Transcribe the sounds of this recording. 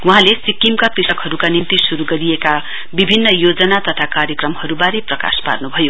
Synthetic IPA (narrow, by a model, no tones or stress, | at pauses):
wuɦãlesikimkapisʌkɦhʌɾukanint̪isuɾuɡʌɾijeka | bibʱinːʌjod͡zʌnat̪ʌt̪ʰakaɾjʌkrʌmhʌɾubaɾeprʌka̰spa̰rnubʱʌjo